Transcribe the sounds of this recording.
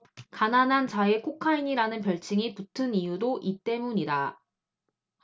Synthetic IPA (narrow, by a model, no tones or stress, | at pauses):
kananɦant͡ɕae̞kʰokʰaiɲiɾanɯnpjʌɭt͡ɕʰiŋiputʰɯnijudoʔit͈e̞muɲida